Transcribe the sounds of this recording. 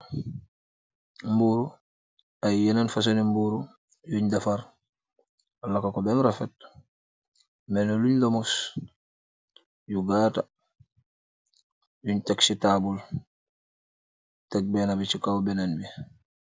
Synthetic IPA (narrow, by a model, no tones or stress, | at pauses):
mbuɾu | ajjenanfas̬onimbuɾu | juɲdafaɾ | ɔlakakobɛmɾafɛt̚ | mɛnoluɲlomus | juɡaːta | juɲtaksitabul | tek̚bɛnabit͡ʃikawbɛnanbi